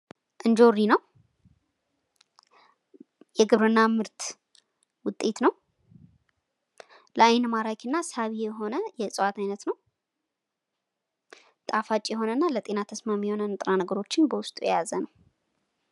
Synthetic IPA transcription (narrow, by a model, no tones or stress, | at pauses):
ʔɨnd͡ʒo̞ɾinəw | jɛɡɨβɾɨnːamɨɾt̪ʰ | wʊt̪ʼːe̞t̪nəw | ləajnmaɾakʰɨnːasaβijɛɦo̞nəjɛsʼəwat̪ʰajnət̪nəw | t̪ʼafat͡ʃʼːjɛɦo̞nənːalət̪ʼe̞nat̪ʰəsmamijɛho̞nənɨt̪ʼɾanəɡəɾo̞t͡ʃːɪnbəwʊst̪ʼujɛ̰jazənəw